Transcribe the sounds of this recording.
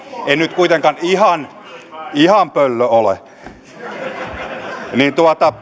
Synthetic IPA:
einyt̪kuit̪eŋkɑnihɑn | ihɑmpølːøolḛ | nint̪uɑt̪ɑ

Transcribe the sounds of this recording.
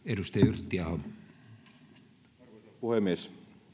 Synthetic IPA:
edust̪ejɑyrt̪ːiɑhom | puhemːˑies

